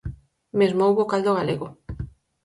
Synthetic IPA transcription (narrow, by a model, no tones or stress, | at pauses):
mezmowβokald̪oɣaleɣo